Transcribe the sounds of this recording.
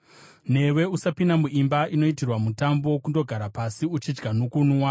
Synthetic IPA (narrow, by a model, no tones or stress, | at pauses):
ne̞we̞usapindamuʔimbaʔino̞itirwamutambo̞kundo̞ɡʱaɾapasiut͡ʃid͡ʒɡanukunuwa